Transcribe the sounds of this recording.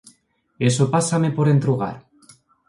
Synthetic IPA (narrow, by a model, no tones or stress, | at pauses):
esopasame̞po̞ɾe̞nt̪ɾuɣ̞a̰ɾ